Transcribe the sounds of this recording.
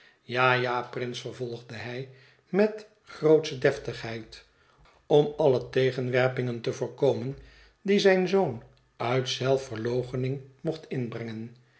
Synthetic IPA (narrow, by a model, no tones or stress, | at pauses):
jaːjaːprɪnsfəɹvɔlˠχdəɦɛj | mɛt | χrowtsədɛftəχɦɛjt | ɔmɑlətejχənʋɛɹpɪŋəntəvʊːɹkowmən | dizɛjnzown | œɥtsɛlˠfəɹlowχənɪŋmɔχtɪnbrɛŋən